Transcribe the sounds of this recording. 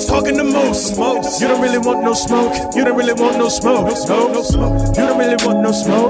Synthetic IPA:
stʰɔkɪ̃ŋtɨmoʊs | moʊsjɨdõʊ̃nt̚ɹɪlˠiwɑ̃nnoʊsmoʊk | jɨɾõʊ̃nʔ̚ɹɪlˠiwɑ̃nnoʊsmoʊoʊsoʊnoʊsmoʊjɨɾõʊ̃nʔɹɪlˠiwɑ̃nnoʊsmoʊk̚

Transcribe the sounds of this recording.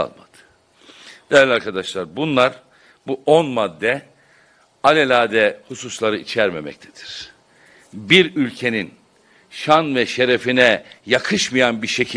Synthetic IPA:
a̰lˠma̰d̪̥ɯ̥ | d̪̥ejɾlʲiaɾkʰad̪aʃlˠaɾbunlˠaɾ | buʔo̞nmad̪ːɛ | alʲelʲaːd̪ɛhususlˠaɾɯʔit͡ʃʰæɾmḛmɛ̰c̚t̪ʰɛ̥d̪̥i̥ɾ̥ | biɾylʲcʰe̞nin | ʃanvɛʃe̞ɾefinɛjakʰɯʃmɯjanbiɾʃecʰi

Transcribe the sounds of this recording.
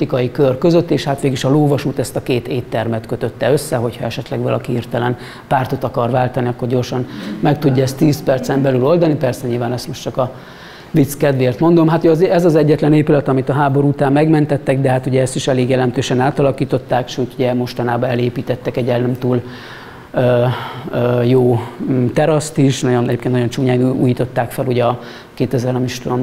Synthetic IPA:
ikɒjikørkø̞zøt̪ːeːʃhat̪ʋeːɡiʃɒloːvɒʃuːt̪ɛst̪ɒkeːt̪eːt̪ːɛrmɛt̪køt̪øt̪ːɛø̞sːɛɦo̞chɒɛʃɛt̪lɛɡvɒlɒkihirt̪ɛlɛn | paːrt̪o̞t̪ɒkɒrvaːlt̪ɒniɒkːo̞rɟo̞rʃɒnmɛk̚t̪uɟːɒɛst̪ːiːspɛrt̪sɛmbɛlylo̞ld̪ɒnipɛrsɛɲiːlvaːnɛst̪mo̞ʃt͡ʃɒkɒ | vit̪skɛd̪ʋeːrt̪mo̞nd̪o̞mɦat̪uɛzɛzɒzɛɟːɛt̪lɛneːpylɛt̪ɒmit̪ɒɦaːbo̞ɾuut̪aːmːɛɡmɛnt̪ɛt̪ːɛɡd̪ɛɦaːt̪uɟɛɛst̪iʃɛleːɡjɛlɛmt̪øːʃɛnaːt̪ɒlɒkiːt̪o̞t̪ːaːkʃøːt̪uɟɛmo̞ʃt̪ɒnaːbɒɛleːpiːt̪ɛt̪ːɛkɛɟɛnɛmt̪uːl | øøjoːt̪ɛɾɒst̪iʃnɒɟonɛɟeːpkennɒjo̞nt͡ʃuːɲaːnṵːjiːt̪o̞t̪ːaːkfɛluɟɛɒ | keːt̪ɛzɛɾɒmiʃt̪ulon

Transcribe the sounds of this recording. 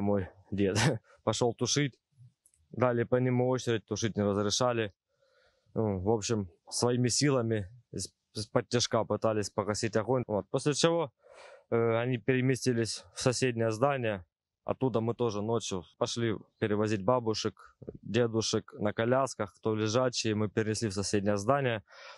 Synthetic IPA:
moj | dʲe̞t̪ | pɐʂo̞lˠt̪ʊʂɨtʲ | d̪alʲɪjpənʲɪmuot͡ɕɪɾʲɪt̚ʲt̪ʊʂɨtʲnʲɪɾəzɾʲɪʂalʲɪ | nuvo̞pɕɪmsvɐimʲɪsʲilˠəmʲɪsʲ | spətʲːɪʂkapɨt̪alʲɪsʲpəɣɐsʲitʲɐɣo̞nʲvo̞t̪̚posʲlʲɪt͡ɕɪvo̞ | ɐnʲipʲɪɾʲɪmʲɪsʲtʲilʲɪsʲfsɐsʲedʲnʲəjəzd̪anʲɪjə | ɐ̰t̪ːud̪əmɨt̪o̞ʐɨno̞t͡ɕjʊpɐʂlʲipʲɪɾʲɪvɐzʲit̚ʲbabʊʂɨkdʲed̪ʊʂɨknəkɐlʲaskəxkt̪olʲɪʐat͡ɕːɪjəmɨpʲɪɾʲɪnʲɪsʲlʲifsɐsʲedʲnʲɪjəzd̪anʲɪjə

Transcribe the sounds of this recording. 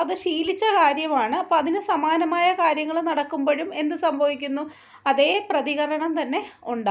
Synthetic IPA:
ɐðɨɕiːlit͡ɕːɐkaːɾjɐmaːɳɨɐpːoɐðinɨsɐmaːnɐmaːjɐkaːɾjɐŋːɐɭnɐɽɐkːumboːɻume̞nd̪ɨsɐmbʱɐʋikʲːunːu | ɐðe̞ːprɐðiɣɐɾɐɳɐmt̪ɐnːe̞uɳɖa

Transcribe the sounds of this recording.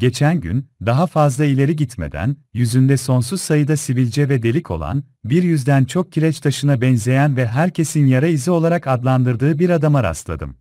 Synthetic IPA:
ɟe̞t͡ʃʰænɟy̰nd̪aɦafazlˠailʲe̞ɾiɟit̪me̞̰d̪æ̰njyzynd̪ɛso̞nsuz̥sajɯd̪asivilʲd͡ʒɛvɛd̪elʲicʰo̞lˠa̰n | biɾjyzd̪ænt͡ʃʰo̞k̚cʰilʲɛt͡ʃt̪ʰaʃɯnabɛnze̞jænvɛɦæɾcʰe̞sinjaɾaizio̞lˠaɾakad̪lˠand̪ɯɾd̪ɯːbiɾad̪amaɾa̰slˠa̰d̪ɯ̰m

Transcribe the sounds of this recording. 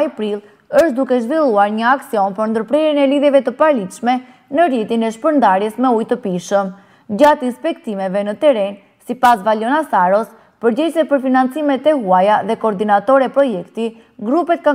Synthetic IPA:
ajpɾilˠ | əʃt̪̚d̪ukɛʒvilˠuaɾɲəaksiɔnpəɾnd̪əɾpɾɛɾinɛliðjɛvɛt̪əpaɾlit̪ʃmɛ | nəɾit̪inɛʃpəɾnd̪aɾjɛsmɛujt̪əpiʃəm | ɟat̪inspɛkt̪imɛvɛnət̪ɛɾɛn | sipasvalɔnasaɾɔs | pəɾd͡ʑɛcsɛpəɾfinant͡simɛt̪ɛɦuajaðɛkɔːɾd̪inat̪ɔɾɛpɾɔjɛkt̪i | ɡɾupɛt̪̚ka

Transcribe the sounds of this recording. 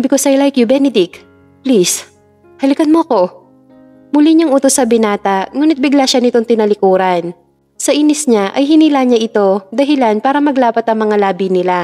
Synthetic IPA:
bɪkosɐjlajkjubɛnɛd̪ɪk | plis | hɐlɪkɐnmoɐko̞ | mʊliɲɐŋʔuːt̪osːɐbɪnaːt̪ɐŋuːnɪt̪̚bɪɡlaʃanɪt̪o̞ŋt̪ɪnɐlɪkuːɾɐn | sɐʔiːnɪsɲaʔɐjɦɪniːlaːɲaʔɪt̪o̞d̪ɐɦɪlanpaːɾɐmɐɡlaːpɐt̪ɐŋmɐŋalaːbɪnɪla

